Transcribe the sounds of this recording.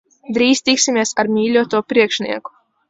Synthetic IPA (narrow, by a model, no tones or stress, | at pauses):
d̪ɾiːst̪iksʲimʲiɛsaɾmʲiːlʲuɔt̪uɔpɾiɛkʃnḭɛku̥